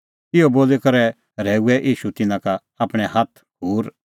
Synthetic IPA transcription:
ɪoboːlɛkɐɾɛ | ɾɛːuɛʔiːʃut̪ɪnãkaː | pɽ̃ɛhɐt̪ʰɡuːɾ

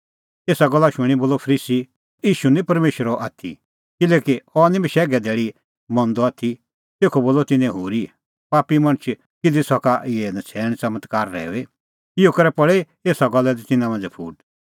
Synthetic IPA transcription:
eːsaɡɔlːaʃʊɽ̃iboːlɔpʰɐɾiːsi | iːʃunĩpɐɾmeːʃɾɔʔaːt̪ʰḭ | kɪlɛːkiɔnĩbiʃɛːɡɛd̪eːɭi | mɔ̃nd̪ɔaːt̪ʰi | t̪eːkʰoboːlɔt̪ɪnɛ̃ɦuːɾi | paːpimɐ̃ɽ̃t͡ʃʰ | kɪd̪isɔkaʔɪɛnɐt͡sʰɛːɽ̃t͡sɐmət̪kaːɾːɛ̰ːʋe | ɪokɐɾɛpɐɭe | eːsaɡɔlːɛd̪it̪ɪnãmãːnd͡zɛpʰuːɖ

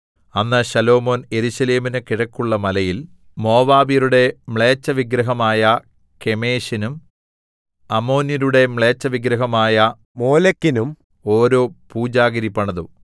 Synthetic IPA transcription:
ɐnːɐɕɐlo̞ːmo̞ːne̞ɾuɕɐle̞ːminekiɻɐkːuɭːɐmɐlɐjil | mo̞ːʋaːbiɾuɽe̞mɭeːt͡ɕːɐʋiɡɾɐɦɐmaːjɐ | ke̞me̞ːɕinum | ɐmo̞ːniɾuɽe̞mɭeːt͡ɕːɐʋiɡɾɐɦɐmaːjɐ | moːlɐkːinum | o̞ːɾo̞ːpuːd͡ʑaːɡɐɾipːɐɳɐðu

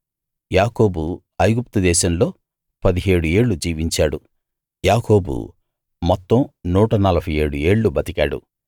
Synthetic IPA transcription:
jaːko̞ːbu | ɐjɡup̚t̪ud̪ɛːʃɐmlo̞ː | pɐd̪iɦe̞ːɽue̞ːɭːud͡ʒiːʋiɲt͡ʃaːɽu | jaːko̞ːbṵ | mɔt̪ːɐmnuːʈɐnɐlɐbʱɐjeːɽue̞ːɭːubɐt̪ikaːɽṵ

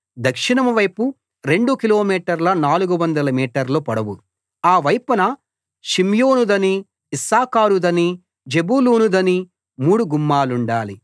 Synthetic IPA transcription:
d̪ɐkʂiɳɐmɐʋɐjpu | ɾe̞ɳɖukilo̞ːmiːʈɐɾlɐnaːluɡuʋɐnd̪ɐlɐmiːʈɐɾloːpɐɽɐʋu | aːʋɐjpɐnɐ | ʃimjoːnud̪ɐniː | saːkaːɾud̪ɐni | d͡ʒe̞buluːnud̪ɐni | muːɽuɡumːaːluɳɖaːli

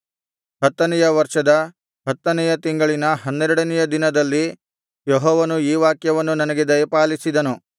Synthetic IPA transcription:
hɐt̪ːɐnɛjɐʋɐɾʂɐd̪ɐ | ɦɐt̪ːɐnɛjɐt̪iŋɡɐɭinɐɦɐnːɛɾɛɽɐnɛjɐd̪inɐd̪ɐlːi | jɔɦɔːʋɐnuiːʋaːkjɐʋɐnːunɐnɐɡe̞d̪ɐjɐpaːlisid̪ɐnu

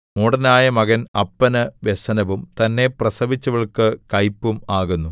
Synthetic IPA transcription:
muɽɐnaːjɐmɐɣɐnɐpːɐnɐʋesɐnɐʋumt̪ɐnːe̞prɐsɐʋit͡ɕːuʋɐɭkɨkɐjpːumaːɣunːu

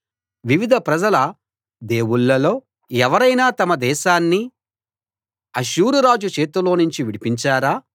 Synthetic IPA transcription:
ʋiʋid̪ʱɐpɾɐd͡ʒɐlɐ | d̪e̞ːwuɭːɐlo̞ː | ɛʋɐɾɐjnaːt̪ɐmɐd̪ɛːʃaːnːi | ɐʃuːɾuɾaːd͡ʒut͡ʃe̞ːt̪ulo̞ːnuɲt͡ʃiʋiɽipiɲt͡ʃaːɾaː

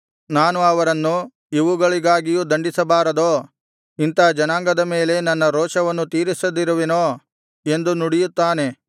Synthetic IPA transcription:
naːnuɐʋɐɾɐnːu | iʋuɡɐɭiɡaːɡijud̪ɐɳɖisɐbaːɾɐd̪oː | int̪aːd͡ʒɐnaːŋɡɐd̪ɐme̞ːle̞nɐnːɐɾoːʃɐʋɐnːut̪iːɾisɐd̪iɾuʋenoː | e̞nd̪unuɽijut̪ːaːne̞

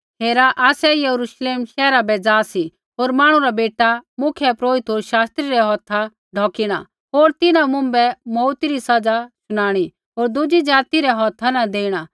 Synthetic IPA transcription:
ɦeːɾaʔaːsɛjɐɾuʃleːmʃɛːɾabɛd͡zaːsi | ɦoːɾmaːɽ̃ũɾabeːʈamʊkʰjɛpɾoːɾɪt̪ɦoːɾʃaːst̪ɾiɾɛɦɔːt̪ʰa | ɖʱɔːkiɽ̃a̰ | ɦoːɾt̪ɪnãmʊ̃mbɛmɔːt̪iɾisɐd͡zasʊɽ̃aːɽ̃i | ɦoːɾd̪ʊd͡ʒid͡ʒaːt̪iɾɛɦɔːt̪ʰanad̪eːiɽ̃a

